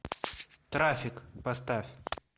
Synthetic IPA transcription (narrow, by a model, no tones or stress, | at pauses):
t̪ɾafʲɪkpɐst̪afʲ